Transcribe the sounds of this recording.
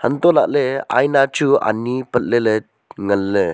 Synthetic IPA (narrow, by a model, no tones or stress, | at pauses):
hənt̪ɔlaʔ̚lea̰jnat͡ʃua̰nːipət̚lelə | ŋəlːə